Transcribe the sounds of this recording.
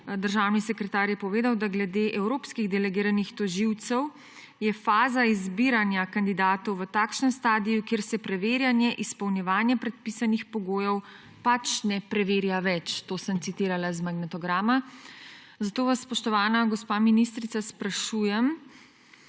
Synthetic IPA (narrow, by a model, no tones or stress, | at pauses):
d̪əɾʒaːwnisɛkɾɛt̪aɾjɛpɔʋeːd̪awd̪aɡlɛd̪eːʔɛwɾoːpskiɣd̪ɛlɛɡiːɾanixt̪ɔʒiwt̪sɛw | jɛfaːzaizbiɾanjakand̪id̪aːt̪ɔwʋət̪aːkʃnəmst̪aːd̪ijukeːɾsɛpɾɛʋeːɾjanjɛʔispɔwnjɛʋaːnjɛpɾɛt̪̚pisanixpɔɡoːjɛw | pat͡ʃnɛpɾɛʋeːɾjaʋɛt͡ʃt̪oːsəmt̪sit̪iːɾalazmaɡnɛt̪ɔɡɾaːma | zat̪oːʋasːpɔʃt̪ɔʋaːnaɡɔspaːminist̪ɾit̪saspɾaʃujɛm